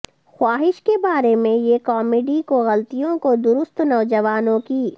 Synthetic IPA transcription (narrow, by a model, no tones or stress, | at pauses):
xwaːɦɪʃkebaːɾemẽjekɔːmeɖikoɣɐlt̪ijõkod̪ʊɾʊst̪nɐʋd͡ʒɐʋaːnõki